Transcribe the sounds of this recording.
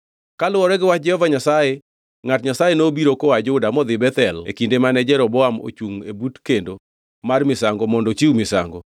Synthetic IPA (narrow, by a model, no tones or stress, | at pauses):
kalʊwɔɾɛɡɪwat͡ʃd͡ʒɛhɔvaɲasaje | ŋatɲasajenobiɾokɔwad͡ʒːdamɔd̪ɪbɛt̪ɛlḛkindemanɛd͡ʒɛɾɔbɔamo̰t͡ʃuŋebutkendo | marmɪsaŋɡɔmɔndɔt͡ʃiumɪsa̰ŋɡɔ